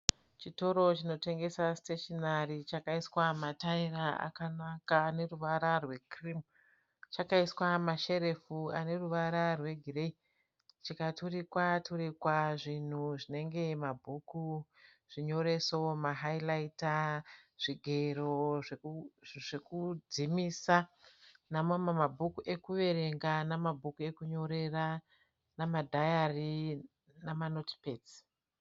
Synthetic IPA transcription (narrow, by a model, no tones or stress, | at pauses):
t͡ʃito̞ɾo̞t͡ʃino̞te̞ŋɡe̞sasteʃonarit͡ʃakaiswamatairaa̰kanakaːne̞ruʋaɾarwe̞krim | t͡ʃakaiswamaʃe̞ɾe̞fuane̞ruʋaɾarwe̞ɡʱirei | t͡ʃikatʰurikwatʰuɾikwaʐin̤uʐine̞ŋɡe̞mabʱuku | ʐ̥iɲo̞ɾe̞somaɦailaitaʐ̥iɡʱe̞ɾoʐeʐekud͡zimisanamomamabʱukuʔe̞kuʋe̞ɾe̞ŋɡanamabʱukue̞kuɲo̞ɾe̞ra | namadʱajari | namanoti̥peːd͡zi̥